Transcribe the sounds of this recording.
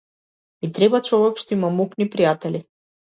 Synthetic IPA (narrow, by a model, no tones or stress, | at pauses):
mit̪ɾɛbat͡ʃɔvɛkʃt̪ɔimamuknipɾijat̪ɛli